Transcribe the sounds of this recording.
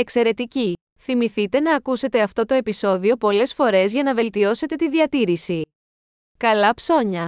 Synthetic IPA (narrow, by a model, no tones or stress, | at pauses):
e̞kse̞ɾe̞t̪ici | θimiθit̪e̞nɐːkuse̞t̪e̞ɐft̪o̞t̪o̞e̞piso̞ðio̞po̞le̞sfo̞ɾe̞zʝɐnɐve̞lt̪io̞se̞t̪e̞t̪iðiɐt̪iɾisi | kɐlɐpso̞ɲɐ